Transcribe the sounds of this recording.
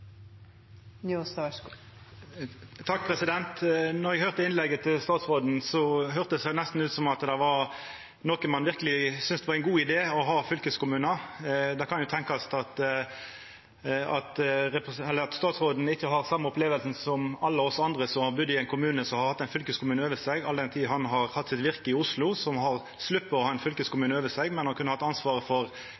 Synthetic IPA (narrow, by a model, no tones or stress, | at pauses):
nːost̪ɑʃkː | t̪ʰɑkːpʰʁɛsɪd̪ɛnt̪nɔɾɛɡhøːʁt̪əɪnlɛɡːət̪ʰɪlst̪ɑːt̪sʁoːd̪n̩sɔɦøːʁt̪əd̪sæɪnæst̪n̩ʉːt̪sɔmɑt̪d̪æʋɑʁ | noːkəmɑnʋɪʁkəlɪsʏnsd̪ɛʋɑʁɛɪnɡuːɪd̪eːɔɦɑːfʏlkəskʊmʉːnɑd̪ɛkʰɑnjʊt̪ʰɛŋkɑst̪ɑt̪ | ɑt̪ɾɛpɛlːəɾɑt̪st̪ɑːt̪sʁoːd̪n̩əɪçːəɦɑɾsɑmːəɔpleːʋəlsn̩sɔmɑlːəɔsɑnd̪ʁəsɔmhɑɾbʉd̪ːɪɛɪnkʰʊmʉːnəsɔmhɑɾhɑt̪ːɛɪnfʏlkəskʊmʉːnəøːʋəsɛɡɑld̪ɛnt̪ʰiːɦɑnɦɑʁhɑt̪ːsɪt̪ʋɪɾkəɪʊslʊsɔmɦɑʁ | slʉpːəɔhɑːɛɪnfʏlkəskʊmʉːnəøːʋəsɛɡmɛnhɑɾkʰʉnːəhɑt̪ːɑnsʋɑːʁəfɔʁ